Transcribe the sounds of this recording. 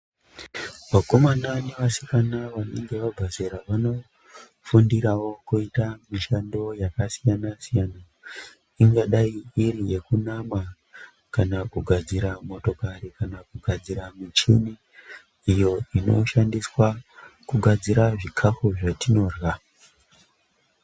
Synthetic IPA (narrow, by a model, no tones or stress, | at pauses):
ʋako̞mananeʋasi̥kanaʋane̞̰ŋɡe̞ʋabʱazeɾaʋano̞ | fundiɾawo̞kuitamiʃando̞jakasijanasijana | iŋɡaɗaiirije̞kunama | kanakuɡʱad͡ziɾamo̞to̞karikanakuɡʱad͡ziɾamit͡ʃḭni | ijo̞ino̞̰ʃandiswakuɡʱad͡ziɾaʐikʰafuʐatino̞ːrɣa